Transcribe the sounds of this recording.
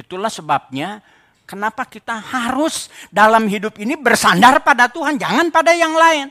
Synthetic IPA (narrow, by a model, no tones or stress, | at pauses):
it̪ulahsəbap̚ɲa | kənapakit̪ahaɾʊsdalamɦidʊpinibərsandarpadat̪uɦand͡ʒa̰ŋanpadajaŋlaɪn